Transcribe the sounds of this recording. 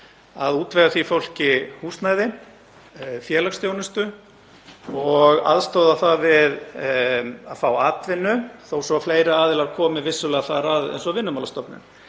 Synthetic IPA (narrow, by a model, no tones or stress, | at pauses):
aðuːt̪vɛɣaθvifowl̥cɪhuːst̪najðɪ | fjɛːlakst̪jownʏst̪ʏ | ɔɣa̰ðst̪oːwðaθavɪð | aðfawaːt̪vɪnːʏθowsɔfleːjɾaaːðɪlaɾkʰɔːmɪvɪsʏlɛɣaθaɾað̰jnsɔvɪnːʏmawlast̪ɔpnɪ̰n